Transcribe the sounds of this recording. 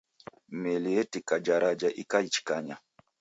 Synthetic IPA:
mɛliɛtikad͡ʒaɾʔad͡ʒaʔikait͡ʃi̥kaɲa

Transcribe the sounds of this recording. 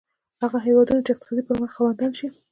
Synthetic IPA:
haɣaɦewɑd̪unat͡ʃɪqt̪ɪ̥sɑd̪ipəɾməxxawand̪əlʃi

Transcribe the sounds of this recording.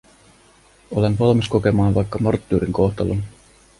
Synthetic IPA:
ole̞nʋɑlmisko̞ke̞mɑːnʋɑjkːɑmort̪ːyːɾiŋko̞ht̪ɑlun

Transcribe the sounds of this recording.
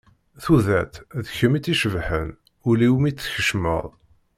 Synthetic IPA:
θuðæt̪ðəçəmit̪ːiʃəvħən | ʊliwmit͡sːçəʃmə̰ðˤ

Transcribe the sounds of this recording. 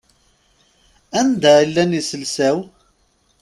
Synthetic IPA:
ænd̪ælːænisəlsæw

